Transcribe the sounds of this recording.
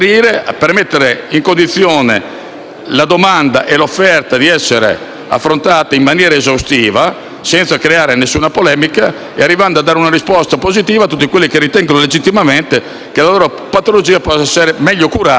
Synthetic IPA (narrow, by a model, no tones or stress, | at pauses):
ɾiːɾeapermet̪ːeɾeiŋkond̪it̪sːjoːnḛ | lad̪omand̪aʔelofːɛrt̪ad̪iɛsːeɾḛ | a̰fːɾont̪aːt̪aimːanjɛːɾaezawst̪iːva | sɛnt̪sakɾeaːɾenesːuːnapolɛːmika | earːivand̪oad̪ːaːɾeunaɾispɔst̪apozit̪iːvat̪ːut̪ːikwelːikerːit̪ɛŋɡonoled͡ʒit̪ːimament̪e | kelaloːɾo | pat̪olod͡ʒiːapɔsɛseɾemɛʎːokuɾa